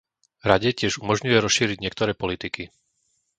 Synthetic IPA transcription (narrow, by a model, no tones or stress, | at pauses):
ɾaɟɛcɪɛʒumɔʒɲujɛɾɔsʃiːɾiɟɲɪɛkt̪ɔɾɛːpɔlit̪iki